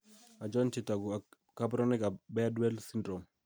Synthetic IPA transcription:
a˨d͡ʒɔ˦nt͡ʃɪ˨ta˨ɡu˨a˨ | ka˦bɾɔ˦nɪ˦ka˨bɛ˦a˦dwɛ˦lsi˦ndɾo˨m

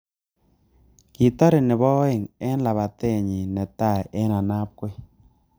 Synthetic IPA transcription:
kɪ˨tɔ˦ɾɪ˨nɪ˨bɔ˦e˨ŋɛ˦nla˨βa˨te˦˨ɲi˨nɛ˨ta˦˨ɛ˦na˨na˦p̚kwe˦

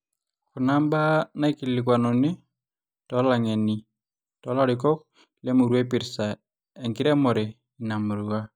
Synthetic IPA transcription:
ku˨na˦mba˦na˦i˦ki˨li˨k̬wa˨nɔ˨nɪ˦ | tɔ˨˦la˨ŋe˨ni˨ | tɔ˨˦la˦ɾɪ˨kɔ˦k̚ | le˦mu˨ɾwe˦pɪ˨ɾsa˨ | e˨ŋkɪ˦ɾɛ˦mɔ˨ɾɛ˨ | i˨na˨mu˨ɾu˨wa˦

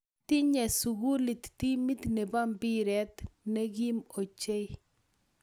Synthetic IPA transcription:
t̪i˦ɲɛ˨su˨ɡu˦li˨t̪t̪i˦mi˦t̪ne˨ba˦mbi˦ɾɛ˦t̪nɛ˦ɡi˦mo˨t͡ʃe˦

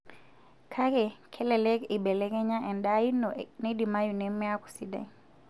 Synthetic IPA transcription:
kʰa˦kɛ˨kʰɛ˦lɛ˨lɛ˦ki˨bɛ˨lɛ˦kɛ˦ɲa˦ʔɛ˨nda˦i˦nɔnɛ˦di˨ma˦ju˨nɛ˦mɛ˦a˦ku̥˨si˦da̰˨

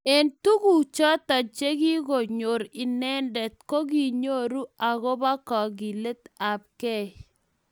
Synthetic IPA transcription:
e˨ntu˦ɡu˨t͡ʃɔ˦ta˨t͡ʃe˦ɡi˦ɡo˨ɲo˨ɾi˨nɛ˦ndɛ˨t̚ko˦ɡi˦ɲo˦ɾu˦a˨ɡo˦ba˦kɔ˨ɡi˨le˦t̪a˨b̚kɛ˦

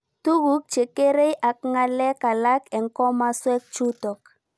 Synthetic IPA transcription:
tu˦ɣu˦k̚t͡ʃe˨ke˦ɾe˦jʔa˨k̚ŋa˦lɛ˦ka˨la˦kɛ˨ŋkɔ˦ma˦swɛ˦k̚t͡ʃu˦tɔ˨k

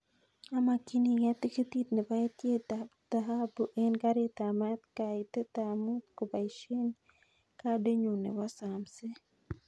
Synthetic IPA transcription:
a˦ma˨ki˦ni˨ja˦t̪i˦ke˦t̪i˦t̪ne˨ba˦e˦t̪je˦d̪̥a˨ɦa˦bu˨ʔe˦nka˦ɾe˦t̪a˨ma˦t̪ka˨i˨t̪e˦t̪a˨mu˦t̪ko˨ba˨i˨ʃe˦n | ka˦de˦ɲu˨nḛ˨wa˦sa˨mse˦

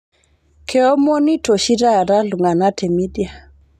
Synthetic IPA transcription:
kʰe˨ɔ˦mo˦ni˦to˨ʃi˦ɾa˦˨ɾa˦lu˨ŋa˨na˦tʰe˨mi˦dja˨

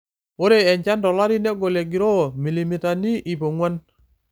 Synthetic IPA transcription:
wo˦ɾe˦˨e˨ɲt͡ʃa˦ndɔ˨la˦ɾi˦ne˦ɡo˨le˨ɡi˨ɾo˦˨mi˨li˨mi˨ta˨ni˦ʔi˨po˨ŋwa˦n

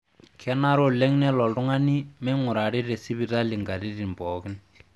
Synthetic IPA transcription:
kʰɛ˦na˦ɾo˦le˦ŋnɛ˦lɔ˨ldʊ˦ŋa˦ni˦mɛ˦ŋʊ˨ɾa˨ɾi˦ɾe˨si˦bi˨ta˦li˨ŋɡa˨ɾi˦ɾi˨mbɔ˨kɪ˦n

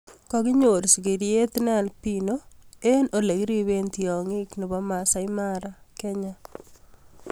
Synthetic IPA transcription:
kɔ˨kɪ˦ɲo˨ɾsi˨ki˨ɾje˦t̪na˦˨npino˦e˦nʔo˨le˨kɾi˦βe˦nt̪iɔ˨ŋi˦knɪ˨βɔ˦ma˨sa˦ɪmaɾa˨kɛ˦ɲa˦

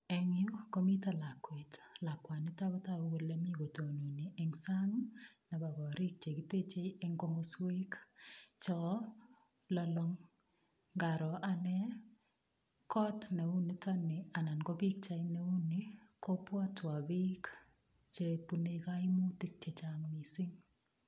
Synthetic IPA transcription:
ɛ˨ŋɪ˦ko˦mi˦ta˨la˨kwe˨tla˨kwa˨nɪ˦ta˦ɡɔ˦ta˦wo˦le˦mi˦ɡo˨to˨nu˨ni˨ʔe˨ŋsa˦ŋna˨ba˨bɔ˨ɾi˦k̚t͡ʃe˨ɡi˨te˦t͡ʃe˦e˦ŋɡo˦mo˨swe˦kt͡ʃɔ˦ | lɔlɔ˦ŋ | ɡa˨ɾɔ˨ʔa˦nɛ˦ | kɔ˦tne˨u˦ni˦tɔ˦nɪ˨a˨na˨nɡo˦bi˦k̚t͡ʃa˦ine˦u˦niko˦pwɔ˦twa˨bi˦k | t͡ʃe˦pu˨ne˧ka˦i˦mu˦tɪ˦k̚t͡ʃe˨t͡ʃaŋmi˨sɪ˦ŋ

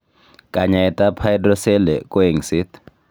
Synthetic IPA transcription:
kʼa˨ɲa˨ɛtʼapʰajdrɔ˦sɛ˦lɛ˨kʼu˦i˨ŋsitʰ

